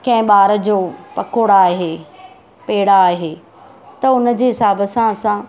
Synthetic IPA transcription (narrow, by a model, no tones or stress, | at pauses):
kɐ̃ɦɪ̃ɓaːɾəd͡ʑoːpɐ̰koːɽaːɦeː | peːɪɽaːɦeː | t̪ɐʊnəd͡ʑeːɦɪsaːbəsãɐsã